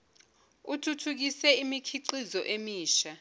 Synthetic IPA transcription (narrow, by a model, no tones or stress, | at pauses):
utʰutʰuk̬isɛimikʰiǃizɔʔemiːʃa